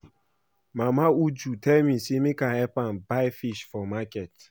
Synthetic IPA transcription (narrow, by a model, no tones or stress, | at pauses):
mamaud͡ʒutʰɛmisimikahɛpan̩baɪfiʃfɔmakɛt